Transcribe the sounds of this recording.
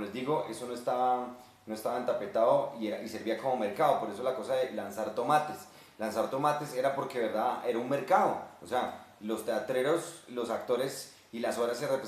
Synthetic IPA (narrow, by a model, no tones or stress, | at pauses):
lezd̪iɣo̞ʔe̞so̞no̞est̪aβa | noe̞st̪aβaent̪ape̞t̪aðoieɾaʔise̞ɾβiako̞mo̞me̞ɾkaðo̞po̞ɾe̞s̬olako̞saðe̞lansaɾt̪o̞mat̪es | lansaɾt̪o̞mat̪e̞se̞ɾapo̞ɾke̞βe̞ɾd̪aðe̞ɾaunme̞ɾkaðoːsea | lo̞st̪eat̪ɾe̞ɾo̞slo̞sakt̪o̞ɾe̞s | ilaso̞βɾaserep